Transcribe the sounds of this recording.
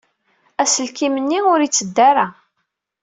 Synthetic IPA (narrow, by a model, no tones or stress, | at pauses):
æsəlkimənːiʊɾit͡sːəd̪ːæɾa